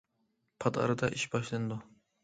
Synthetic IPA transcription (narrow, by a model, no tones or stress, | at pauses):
pʰɑd̪ɑ̰ɾɨd̪ɑʔiʃbɑʃlˠɨnɨd̪u